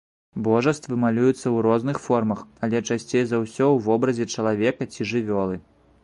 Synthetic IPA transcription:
bɔʐɐst̪vɨmalʲujut̪sːɐwɾɔznɨxfɔrmɐxɐlʲɛt͡ʂasʲt͡sʲejzawsʲɔwvɔbɾɐzʲɛt͡ʂɐlˠavʲɛkɐt͡sʲiʐɨvʲɔlˠɨ

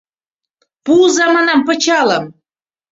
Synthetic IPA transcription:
puzɑmɑnɑmpɤ̆t͡ɕɑlɤ̆m

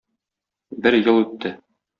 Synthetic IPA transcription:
bɘɾjɤlˠʉt̪ʰːɘ

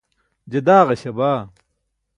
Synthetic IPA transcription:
d͡ʑɐd̪aːʁɐɕɐbaː

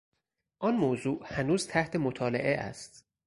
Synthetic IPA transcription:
ʔɒnmoːzuːʔhænuːz̥t̪ʰæht̪ʰe̞mot̪ʰɒːlḛʔeʔæ̰st̪

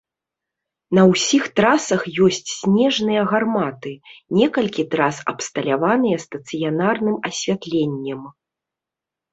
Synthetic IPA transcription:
nɐwsʲixt̪ɾasɐxjɔsʲt͡sʲsʲnʲɛʐnɨjɐɣarmat̪ɨnʲɛkɐlʲkʲit̪ɾasɐ̰pst̪ɐlʲavanɨjɐst̪ɐt̪sɨjanarnɨmɐsʲvʲat̪lʲɛnʲːɛm

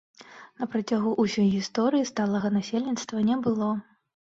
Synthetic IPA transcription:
nɐpɾat͡sʲaɣuʔusʲɔjɣʲist̪ɔɾɨjist̪alˠɐɣɐnasʲelʲnʲit̪st̪vɐnʲɛbɨlˠɔ

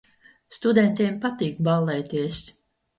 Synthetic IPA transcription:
st̪ud̪ɛnt̪iɛmpat̪iːkbalˠːɛjt̪iɛs

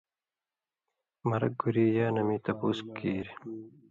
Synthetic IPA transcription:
mɐɾɐk̚ɡuɾiːjaːnɐmiːt̪ɐpuːskːiːɾ

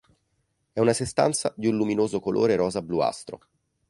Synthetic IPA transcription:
ɛunasest̪a̰nt̪sad̪iunluminoːzokolʔo̰ːɾeɾɔːzablua̰st̪ɾo̰

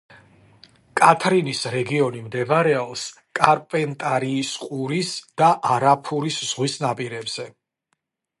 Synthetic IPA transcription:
kʼat̪ʰɾinisɾɛɡiɔnimd̪ɛbaɾɛɔlˠs | kʼaɾpʼɛnt̪ʼaɾiːsqʼuɾisd̪̥aʔaɾapʰuɾisz̥ʁwisnapʼiɾɛbz̥ɛ

